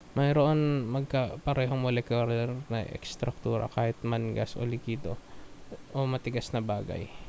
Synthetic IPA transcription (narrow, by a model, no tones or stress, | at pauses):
mɐjɾoʔonmɐɡ̚kɐpɐɾɛːɦomolɛkoɾlɛɾnɐ̰ʔɛ̰kst̪ɾɐk̚t̪uːɾɐ̰kaːhɪt̪̚mɐnɡɐsʔo̰lɪkiːd̪o̰ | ʔomɐt̪ɪɡasnɐbaːɡɐ̰j